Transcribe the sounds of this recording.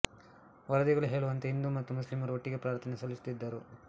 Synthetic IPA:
ʋɐɾɐd̪iɡɐɭuɦeːɭuʋɐnt̪eɦind̪umɐt̪ːumuslimɐɾuoʈːiɡepɾaːɾt̪ʰɐnesɐlːist̪id̪ːɐɾu

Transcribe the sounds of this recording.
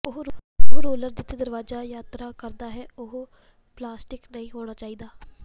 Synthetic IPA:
ʊɦɾoːləɾd̪ɪt̪ʰːed̪əɾʋaːzaːjaːt̪ɾaːkəɾd̪aːɦɛːʊɦ | plaːsʈɪknəĩːɦoːɽ̃aːt͡ʃaːiːd̪aː

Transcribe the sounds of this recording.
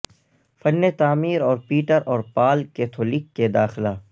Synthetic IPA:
fɐnːet̪aːmiːɾɔːɾpiːʈəɾɔːɾpaːlkeːt̪ʰoːliːkːed̪aːxɪlaː

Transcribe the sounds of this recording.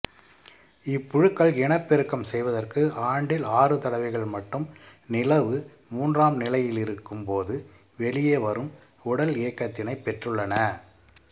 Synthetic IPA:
ɪpːʊɻɯkːɐɭɪɳɐpːɪɾɯkːɐmsɛjʋɐðɐrkɯaːɳɖɪlaːrɯt̪ɐɽɐʋɐɪɣɐɭmɐʈːɯmnɪlɐʋɯ | muːndraːmnɪlɐjɪlɪɾɯkːɯmpoːðɯ | ʋɛɭɪjeːʋɐɾɯm | ʊɽɐleːkːɐt̪ːɪnɐɪpːɛʈrɯɭːɐnɐ

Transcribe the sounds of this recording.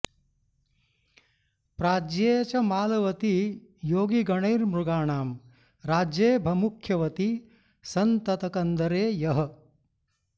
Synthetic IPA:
pɾaːd͡ʒjeːt͡ʃɐmaːlɐʋɐt̪ijoːɡiɡɐɳɐjɾmɾuɡaːɳaːm | ɾaːd͡ʒjeːbʱɐmukʰjɐʋɐt̪i | sɐnt̪ɐt̪ɐkɐnd̪ɐɾeːjɐɦɐ̆

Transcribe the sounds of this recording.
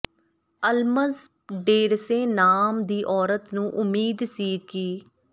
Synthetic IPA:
əlməz | ɖeːɾsẽːnaːmd̪iːʔɔːɾət̪nũːʔʊmiːd̪siːkiː

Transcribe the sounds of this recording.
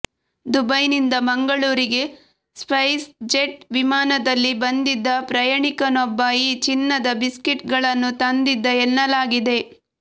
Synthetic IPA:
d̪ubɐjnind̪ɐmɐŋɡɐɭuːɾiɡe̞ | spɐjsd͡ʒeʈʋimaːnɐd̪ɐlːibɐnd̪id̪ːɐpɾɐjaɳikɐnɔbːɐiːt͡ʃinːɐd̪ɐbiskiʈɡɐɭɐnːut̪ɐnd̪id̪ːɐenːɐlaːɡid̪e̞

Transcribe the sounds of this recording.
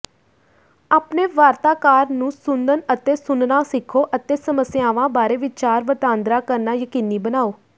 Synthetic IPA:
aːpneːʋaːɾt̪aːkaːɾnũːsʊnd̪ənət̪eːsʊnnaːsɪkʰːoːʔət̪eːsəməsjaːʋãːbaːɾeːʋɪt͡ʃaːɾʋət̪aːnd̪ɾaːkəɾnaːjəkiːniːbənaːoː

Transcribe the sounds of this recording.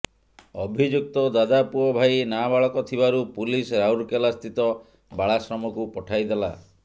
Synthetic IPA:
ɔbʱid͡ʒuk̚t̪ɔd̪ad̪apuɔbʱajnabaɭɔkɔt̪ʰibaɾupulisɾawɾkelast̪ʰit̪ɔ | baɭasɾɔmɔkupɔʈʰajd̪ela̰

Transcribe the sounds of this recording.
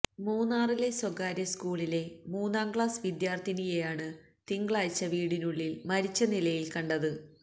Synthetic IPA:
muːnːaːrile̞swɐɡaːɾjɐskuːɭile̞muːnːaːmkɭaːsʋid̪jaːrt̪ʰinijejaːɳɨ | t̪iŋɡɭaːjt͡ɕːɐʋiːɽinuɭːilmɐɾit͡ɕːɐnilɐjilkɐɳɖɐðɨ

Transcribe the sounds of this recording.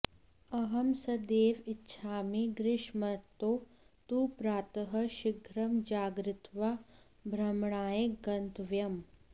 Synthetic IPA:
ɐɦɐmsɐd̪eːʋɪtːʃʰaːmiɡɾɪʃmɐt̪oː | t̪uːpɾaːt̪ɐɦɐʃɪɡʱɾɐmd͡ʒaːɡɾɪt̪ʋa | bʱɾɐmɳaːjeɡɐnt̪ʋjɐm

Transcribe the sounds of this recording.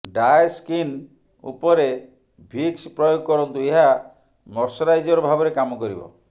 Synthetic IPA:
ɖajeskin | ṵpɔɾe | bʱikspɾɔjoɡɔkɔɾɔnt̪ueɦa | mɔɾsɔɾajd͡ʒɔɾɔbʱabɔɾekamɔkɔɾibɔ̰

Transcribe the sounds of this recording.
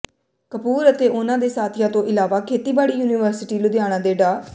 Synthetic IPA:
kəpuːɾət̪eːʔʊnãːd̪eːsaːt̪ʰɪjãːt̪õːʔɪlaːʋaːkʰeːt̪iːbaːɽiːjuːniːʋəɾsɪʈiːlʊd̪jaːɽ̃ãːd̪eːɖaː

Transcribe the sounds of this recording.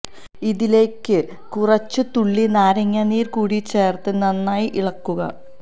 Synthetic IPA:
iðile̞ːkːɨ | kurɐt͡ɕːɨt̪uɭːinaːɾɐŋːɐniːrkuːɽit͡ɕːe̞ːrt̪ɨnɐnːaːjiʔiɭɐkːuɣɐ̰

